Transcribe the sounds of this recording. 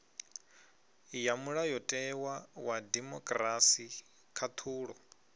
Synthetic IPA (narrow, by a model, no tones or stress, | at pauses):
jamuɺajɔtʼɛwawadɛmɔkʼrasi | kʰat̪ʰuːɺɔ